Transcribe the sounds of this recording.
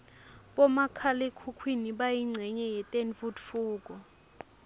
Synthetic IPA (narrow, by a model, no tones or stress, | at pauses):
ɓɔmakʰalekʰukʰwiniɓajiŋ͡ǀʱɛɲɛjɛtʼenfudfuːk̬ʼɔ